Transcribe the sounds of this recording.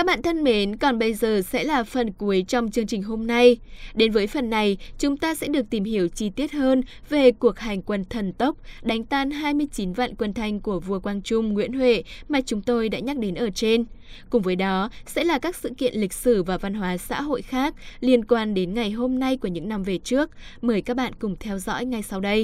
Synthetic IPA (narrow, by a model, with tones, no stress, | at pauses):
a˦˥k̚ɓa̰ː˧˨t̪ʰə˧nme˨˦nkɔ˨˩nɓə˧jzəː˨˩sɛ̰˧˥laː˨˩fə˨˩nku˨˦əjt͡ɕɔ˧wŋ͡mt͡ɕɨ˧əŋt͡ɕï˨˩ŋ̟ɦo˧mna˧jɗe˨˦nvəː˨˦jfə˨˩nːa˨˩jt͡ɕʊ˨˦ŋ͡mt̪aː˧sɛ̰˧˥ɗɨ˨˩ək̚t̪i˧˩mhi˧˩əwt͡ɕi˧t̪i˦˥ət̚həː˧n | ve˨˩ku˨˩ək̚ha˨˩jŋ̟kwə˧nt̪ʰə˨˩nt̪ə˦˥wk͡p̚ɗa˨˦jŋ̟t̪aː˧nɦaː˧jmɨ˧əjt͡ɕi˨˦nva̰ː˧˨nkwə˧˩nt̪ʰa˧jŋ̟ku˧˩əvu˧˩əkwaː˧ŋt͡ɕʊ˧ŋ͡mŋwḭ˧˥ənhwḛ˧˨maː˨˩t͡ɕʊ˨˦ŋ͡mt̪o˧jɗa̰ː˧˥ɲa˦˥k̚ɗe˨˦nʔəː˧˩t͡ɕe˧n | kʊ˨˩ŋ͡mvəː˨˦jɗɔ˨˦sɛ̰˧˥laː˨˩kaː˦˥k̚sɨ̰˧˨kḭ˧˨ənlï˨˩k̟̚sɨ˧˩vaː˨˩va˧nɦwaː˨˦sa̰ː˧˥ɦo̰˧˨jxaː˦˥k̚li˧ənkwaː˧nɗe˨˦nŋa˨˩jɦo˧mna˧jku˧˩əɲɨ̰˧˥ŋna˨˧mve˨˩t͡ɕɨ˦˥ək̚məː˨˦jkaː˦˥k̚ɓa̰ː˧˨nkʊ˨˩ŋ͡mt̪ʰɛ˧wzɔ̰˧˥jŋa˨˩jsa˧wɗə˧j